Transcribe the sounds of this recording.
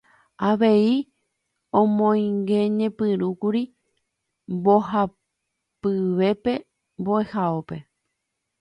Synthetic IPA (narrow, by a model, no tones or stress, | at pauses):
aʋe̞i | õmõjĩŋɡeɲẽ̞pɨɾukuɾi | mbo̞ha | pɨʋe̞pe̞ | mboe̞haope̞